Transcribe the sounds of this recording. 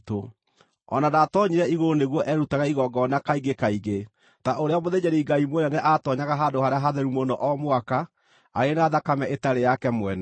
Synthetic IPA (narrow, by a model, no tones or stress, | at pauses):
to | ɔ̰nadatɔɲiɾɛiɣoɾoneɣwɔʔɛɾutaɣaiɣɔɡɔnakaiɡekaiɡe | taʔoɾeamoðed͡ʒɛɾiiɡaimwonɛnɛʔatɔɲaɣaɦadohaɾeaɦaðɛɾumonɔʔɔmwaka | aɾenaðakamɛʔetaɾejakɛmwɛnɛ